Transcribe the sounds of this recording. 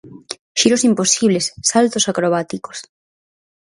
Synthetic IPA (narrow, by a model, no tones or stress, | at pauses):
ʃiɾosimposiβ̞lesːalt̪osakɾoβ̞at̪iko̥s